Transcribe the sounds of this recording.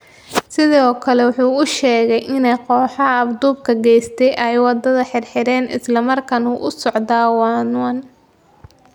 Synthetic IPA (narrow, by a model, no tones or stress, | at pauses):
sɪðɔːkʰɐlɛwʊħuːʊʃɛːɣɛjʔɪnɛjqɔːħɑːbd̪uːb̚kʰɐɡɛjst̪ʰɛjʔɛjwɑd̪ɐðɐħɪrħɪɾɛːnʔɪ̰slɐmɐrkʰɐnuːʔʊsɔʕd̪aːwɑːnʊan